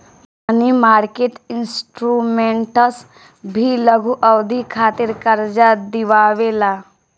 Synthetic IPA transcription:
ɐnimaːɾkeʈɪnsʈɾuːmẽɳʈəs | bʱiləɡʱuʔɐʋd̪ʱikʰaːt̪ɪɾkəɾd͡ʒad̪ɪʋaːʋelaː

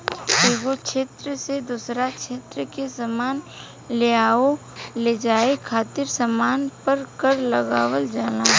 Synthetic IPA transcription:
eːɡokʃʰeːt̪ɾəsed̪usɾakʃʰeːt̪ɾəkesəmaːn | leaːo | led͡ʒaːekʰaːt̪ɪɾsəmaːnpəɾkəɾləɡaːwəld͡ʒaːnaː

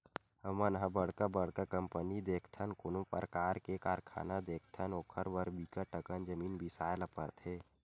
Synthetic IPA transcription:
həmənɦãbəɽ̤kabəɽkakəmpənid̪eːkʰt̪ʰənkʊnõpə̰ɾkaːɾkekaːɾkʰa̰ːnad̪eːkʰt̪ʰənoːkʰəɾbəɾbiːkəʈəkənd͡ʒəmiːnbʱisaːjləpə̰ɾt̪ʰeː

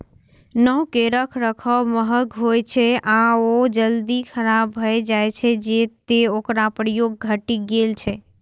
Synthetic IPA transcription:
nəɦkeɾəkʰɾəkʰəməɦəkɦojt͡ʃʰɛaod͡ʒəld̪ikʰəɾabbʱəed͡ʒajt͡ʃʰɛd͡ʒet̪eokɾapɾəjoɡ̚ːʱəʈiɡelt͡ʃʰɛ

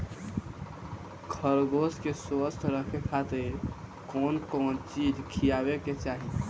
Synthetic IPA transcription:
kʰəɾɡoskeswəst̪ʰɾəkʰekʰat̪ekonkont͡ʃid͡ʒʱkʰijabeket͡ʃaɦi

